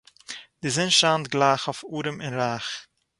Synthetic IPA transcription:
dɪzɪnʃaːntɡlˠaːχɔfuːɾəmɪnɾaːχ

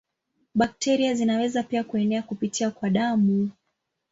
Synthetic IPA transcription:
ɓak̚tɛɾiazinawɛzapiakuɛnɛakupitiakwaɗamu

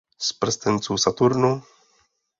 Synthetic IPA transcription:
spɾest̪ent͡susat̪uɾno

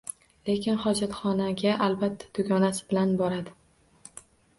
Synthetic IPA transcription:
le̞kʲɪnχɒd͡ʒat̪χɒnaɡʲaʔalbat̪ʰːḁd̪̥ʊɡʲɒnasɪ̥bɪlanbɒɾad̪ɪ

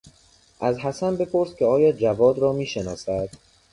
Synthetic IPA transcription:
ʔæzɦæsænbe̞pʰo̞ɾscʰʲeɒːjɒːd͡ʒævɒːd̪ɾɒːmiːʃenɒːsæd̪̥

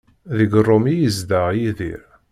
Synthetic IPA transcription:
ðəɡrˤːomijəzd̪aʁjiðḭɾ

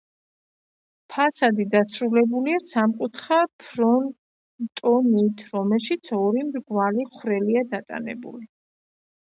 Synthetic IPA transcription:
pʰasad̪id̪asɾulɛbuliasamkʼut̪ʰχapʰɾɔn | t̪ʼɔnit̪ʰɾɔmɛlˠʃit̪sʰɔɾimɾɡvaliχwɾɛliad̪at̪ʼa̰nɛ̰bṵli

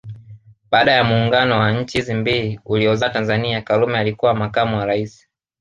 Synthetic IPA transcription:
ɓaːɗajamuːŋɡanɔwaɲ̩t͡ʃizimbiiuliɔzatanzaniakalumɛalikuwamakamuwaɾaisi̥

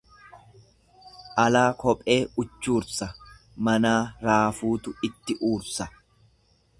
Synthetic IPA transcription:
ʔɐlaːkɔpʼe̞ːʊt͡ʃːuːɾsɐ | mɐnaːɾaːfuːt̪ʊɪt̪ːɪʔuːɾsɐ

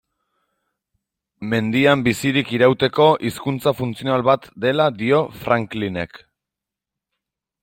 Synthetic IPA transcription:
me̞nd̪iambisiɾikiɾawt̪e̞ko̞ʔiskunt͡safunt͡sionalβat̪d̪e̞lad̪io̞fɾaŋkline̞̰k

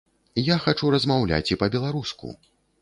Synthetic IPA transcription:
jaxat͡ʂuɾɐzmawlʲa̰t͡sʲipɐbʲɛlˠaɾuskṵ

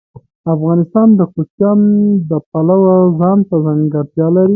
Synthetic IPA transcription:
afɣɑnɪst̪ɑnd̪əkot͡ʃjɑnd̪əpalawazɑnt̪azaŋɡaɾd̪jɑlaɾi

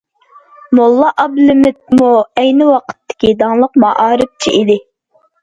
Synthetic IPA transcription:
mulˠːɑʔɑblɪmɪt̪̚muɛjnɪwɑqʰə̥t̪ʰːɪ̥kʲid̪ɑŋlˠəqmɑʔɑːɾɪp̚t͡ʃʰiʔid̪ɪ

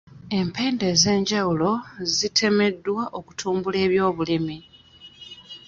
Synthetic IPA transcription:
e̞mpe̞ːnde̞ːze̞ːɲɟawulo̞zitʰe̞me̞dːwaʔo̞ku̥tʰuːmbule̞ːβjo̞ːβulimi

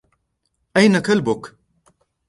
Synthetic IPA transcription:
ʔajnakalbʊk

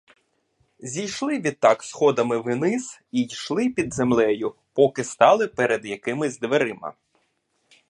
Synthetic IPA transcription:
zʲijʃlˠɪʋʲid̪̚t̪ːɑksxɔd̪ɐmɪʋɪnɪsijʃlˠɪpʲid̪zemlˠɛjʊ | pɔkɪst̪ɑlˠɪpɛɾed̪jɐkɪmɪzʲd̪ʋeɾɪmɐ̰

